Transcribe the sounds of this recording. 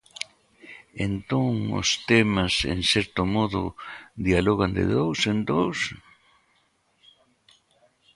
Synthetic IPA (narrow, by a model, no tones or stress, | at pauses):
ent̪oŋʊ̰st̪emasḛŋsɛɾt̪ʊmɔðʊ̰d̪ialɔɣand̪ɪ̰ðowsend̪ows